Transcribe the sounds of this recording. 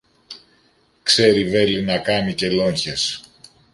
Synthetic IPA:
kse̞ɾive̞linɐkɐmice̞lo̞ɲçes

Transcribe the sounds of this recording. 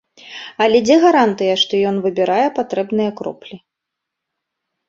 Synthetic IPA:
ɐlʲɛd͡zʲɛɣaɾant̪ɨjɐʂt̪ɔjɔnvɨbʲiɾajɛpat̪ɾɛbnɨjɐkɾɔ̰plʲi

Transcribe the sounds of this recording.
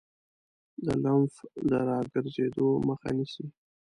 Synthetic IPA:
d̪əlanfd̪əɾɑɡəɾzed̪oməxa̰nisi

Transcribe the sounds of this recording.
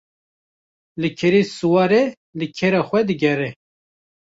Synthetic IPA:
lɨkʰɛɾeːsuwɑːɾe | lɨkʰeɾɑːxʷɛd̪ɨɡɛɾɛ

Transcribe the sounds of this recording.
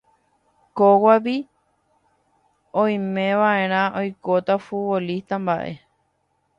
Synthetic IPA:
kowaʋi | õj̃mẽʋaʔẽɾ̃ãʔojkot̪afuβolist̪ambaʔe̞̰

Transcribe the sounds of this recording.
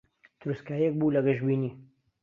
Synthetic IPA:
t̪ʰʊɾuskaːjiek̚buːlɐɡɐʒbiːniː

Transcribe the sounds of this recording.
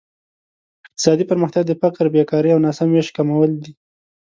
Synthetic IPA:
ɪq̚t̪ɪ̥sɑd̪ipəɾməxt̪jaɡ̚d̪əfɪkɾbekɑɾiawnɑsamːeʃ̚kamawəld̪i

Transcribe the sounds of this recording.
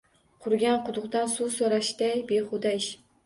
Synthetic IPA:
qʰʊɾɡʲanqʰʊd̪ʊqd̪ansusoɾaʃd̪ajbeχʊd̪aʃ

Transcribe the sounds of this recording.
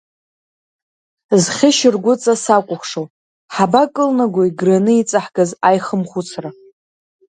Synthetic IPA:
zχʲɪʃɪrɡʷʊt͡sʼasakʷʼʊχʷʂow | ħabakʼɨlnaɡʷaiɡranɨit͡sʼaħɡazajχəmχʷut͡sʰra

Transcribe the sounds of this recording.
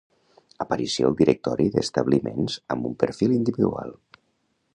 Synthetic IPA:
əpəɾisiolˠd̪iɾʔək̚t̪ɔɾiðəst̪əβlimenzəmbumpəɾfilind̪iβiðua̰lˠ

